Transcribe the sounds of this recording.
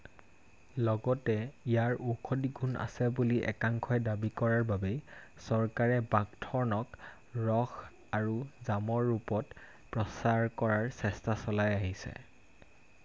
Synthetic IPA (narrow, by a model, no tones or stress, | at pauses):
lɔɡɔtɛijaɹʔukʰodiɡʱuna̰sɛbuliʔɛ̰kaŋkʰɔjdabikɔɹaɹbabɛ | sɔɹkaɹɛbaɡtʰɔɹnɔk | ɹɔx | aɹuzamɔɹːupɔt | pɹɔsaɹkɔɹaɹsɛstasɔlajaɦisɛ̰